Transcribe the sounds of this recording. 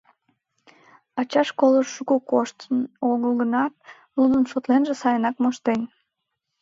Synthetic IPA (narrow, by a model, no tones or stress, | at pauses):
ɑt͡ɕɑʃkoləuɣukoʃt̪noɣəlˠɣənɑt̪̚ | lud̪ənʃot̪lenʒesɑjənɑkmoʃt̪en